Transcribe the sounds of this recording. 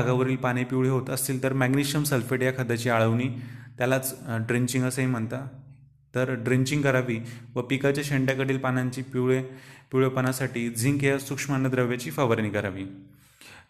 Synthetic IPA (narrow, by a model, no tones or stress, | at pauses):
aɡaʋəɾiːlpañipiuɭeɦot̪əst̪iːlt̪əɾmæɡniʂəmsəlfeʈjakʰəd̪at͡ɕiːaɭəʋniːt̪jalat͡sɖɾiɲt͡ɕĩŋɡəsəɦim̤əɳt̪a | t̪əɾɖɾiɲt͡ɕĩŋɡkəɾaʋiːʋəpikat͡ɕjaɕeɳʈjakəɽiːlpanãɲt͡ɕiːpiɭepiwɭepənasaʈiːd͡zʱiŋɡjasukʂmanːəd̪ɾəʋjat͡ɕiːfaʋəɾnikəɾaʋiː